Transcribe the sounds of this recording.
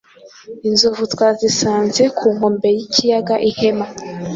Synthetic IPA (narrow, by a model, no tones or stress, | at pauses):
inzovutwazisaːnze̞kʰuːŋɡombe̞jicʰijaɡaʔihema